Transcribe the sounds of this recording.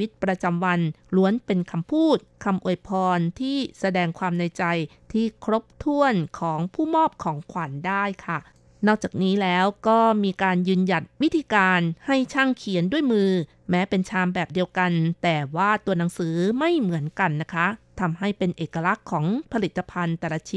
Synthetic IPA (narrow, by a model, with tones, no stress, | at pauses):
wi˦˥t̪̚pɾa˧t͡ɕa˧mwa˧nlu˧˦˥ənpe˧nkʰa˧mpʰuː˥˩t̪̚kʰa˧mʔu˨˩əjpʰɔː˧nt̪ʰiː˥˩sa˧dɛː˧ŋkʰwaː˧mna˧jt͡ɕa˧jt̪ʰiː˥˩kʰɾo˦˥p̚t̪ʰu˥˩ənkʰɔː˩˦ŋpʰuː˥˩mɔː˥˩p̚kʰɔː˩˦ŋkʰwaː˩˦ndaː˥˩jkʰa˥˩ | nɔː˥˩k̚t͡ɕaː˨˩k̚niː˦˥lɛː˦˥wkɔː˥˩miː˧kaː˧njɯː˧nja˨˩t̪̚wi˦˥t̪ʰiː˧kaː˧nha˥˩jt͡ɕʰaː˥˩ŋkʰi˩˦əndu˥˩əjmɯː˧ | mɛː˦˥pe˧nt͡ɕʰaː˧mbɛː˨˩p̚di˧əwka˧nt̪ɛː˨˩waː˥˩t̪u˧ɐna˩˦ŋsɯː˩˦ma˥˩jmɯ˩˦ənka˧nːa˦˥kʰa˦˥t̪ʰa˧mɦa˥˩jpe˧nʔeː˨˩ka˧la˦˥kʰːɔː˩˦ŋpʰa˧li˨˩t̪ːa˧pʰa˧nt̪ɛː˨˩la˧t͡ɕʰi˦